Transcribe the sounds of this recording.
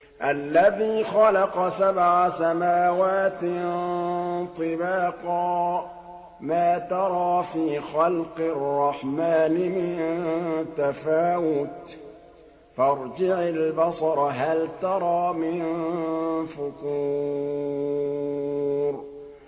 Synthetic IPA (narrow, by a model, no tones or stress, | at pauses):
ʔalːaðiːxɑlɑqɑsabʕasamaːwaːt̪ | t̪ˤɨbɑːqɑː | maːt̪ɑɾˤɑːfiːxɑlqɨrˤːɑħmaːnɪmɪnt̪afaːwʊt̪ | fɑɾˤd͡ʒɪʕalbɑsˤɑɾˤɦalt̪ɑɾˤɑːmɪn | fʊt̪uː | ɾ